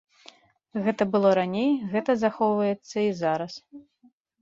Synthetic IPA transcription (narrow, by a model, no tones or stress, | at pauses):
ɣɛt̪ɐbɨlˠɔɾanʲejɣɛt̪ɐzaxɔwvɐjɛt̪sːɐizaɾɐs